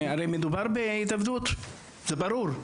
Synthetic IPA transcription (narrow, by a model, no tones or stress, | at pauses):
aɾejmed̪ubaɾbeit̪avd̪ut̪ | zɛbaɾuɾ